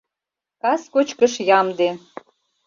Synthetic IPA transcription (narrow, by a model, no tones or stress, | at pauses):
kɑskot͡ɕkə̆ʃjɑmd̪e